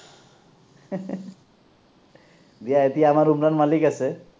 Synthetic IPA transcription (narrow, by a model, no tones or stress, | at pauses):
d̪ijaet̪ijaːmaɹumɾanmalikasɛ